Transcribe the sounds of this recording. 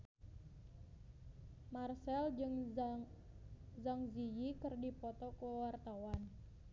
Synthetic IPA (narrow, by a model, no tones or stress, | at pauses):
marsɛld͡ʒɨŋ | zaŋzijikɨrdipɔt̪ɔkuwart̪awan